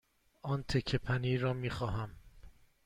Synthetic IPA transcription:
ɒːnt̪ʰecʰːepʰæniːɾɒːmiːxɒːɦæm

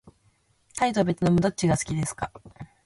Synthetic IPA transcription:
t̪ait̪o̞be̞t͡sɨno̞mo̞d̪o̞t͡ɕːiɡasɨ̥kʲid̪e̞sɨ̥ka

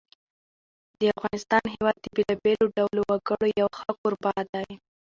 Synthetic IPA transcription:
d̪̥əafɣɑnɪst̪ɑnɦewɑd̪̚ːəbelɑbeloɖawlowaɡəɽojawxəkoɾbɑd̪aj

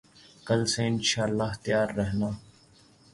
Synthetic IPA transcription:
kəlseːɪnʃaːlːaːɦt̪ɪjaːɾːəɦnaː

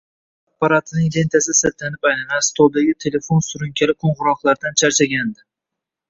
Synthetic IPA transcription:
apːaɾat̪ʰnɪŋle̞nt̪ʰasɪset̪ʰlanɪpajnanast̪ʰolˠd̪aɡʲɪt̪ʰe̞le̞fonsʊɾʊŋkʲʰalɪqʰoɴʁʊɾɒχlˠaɾd̪ant͡ʃʰaɾt͡ʃʰaɡʲand̪ɪ

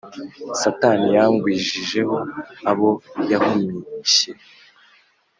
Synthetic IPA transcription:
satanijaŋɡwiːʒiʒe̞ɦo̞aβo̞jahumiɲiɕe̞

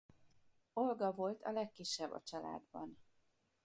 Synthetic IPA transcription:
olɡɒvo̞lt̪ʰɒ̰lɛkːiʃːɛbːɒ̰t͡ʃɒla̰ːd̪bɒn

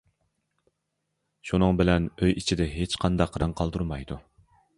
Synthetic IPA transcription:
ʃunɨŋbɪlɛnøjit͡ʃʰid̪ɛɦet͡ʃqʰɑnd̪ɑqʰːɾɑŋqʰɑlˠd̪uɾmɑjd̪u

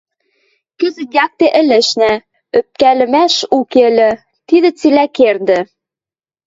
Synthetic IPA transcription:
kɘ̆zɘ̆jɑk̚t̪eʔɘ̆lɘ̆ʃnæ | øp̚kælɘ̆mæʃukelʲɘ̆ | t̪iðɘ̆t͡silækerd̪ɘ̆

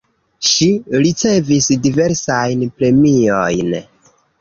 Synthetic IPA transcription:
ʃiɾit͡se̞visdive̞ɾsajnpɾe̞miojn

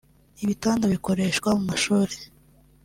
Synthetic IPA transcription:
iβitaːndaβiko̞ɾe̞ʃkwamumaʃuːɾe̥

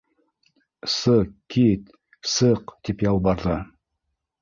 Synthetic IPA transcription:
sɤqkːit̪ | sɤqt̪ipjɑlˠbɑɾðɤ

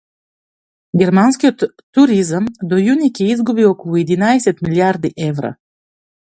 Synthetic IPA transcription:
ɡʲɛɾmanskiot̪ː | uɾizamd̪ojunikʲɛizɡubiɔkɔlˠuɛd̪inaɛsɛt̪miljaɾd̪iʔɛvɾa̰

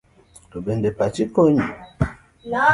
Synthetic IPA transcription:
tobendepat͡ʃikoɲi

